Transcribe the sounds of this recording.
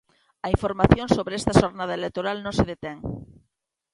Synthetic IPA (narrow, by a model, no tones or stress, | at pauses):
aiɱfoɾmaθjonsoβɾeest̪aʃoɾnað̞aelek̚t̪oɾalnõseð̞et̪eŋ